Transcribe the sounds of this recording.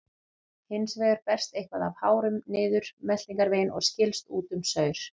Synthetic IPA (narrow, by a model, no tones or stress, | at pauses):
hɪnsveːʏɾpɛr̥st̪ejhkvaðav̥haːwɾʏmnɪːðʏɾ̥mɛt̪iŋkaɾvejnʔɔ̰ɣscɪlst̪uːt̪ʏmsœːɥɾ̥